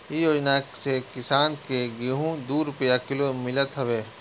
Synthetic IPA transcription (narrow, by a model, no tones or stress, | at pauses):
ijoːd͡ʒnasekɪsaːnkeɡiɦũd̪uːɾʊpjakɪlomɪlət̪ɦɐʋeː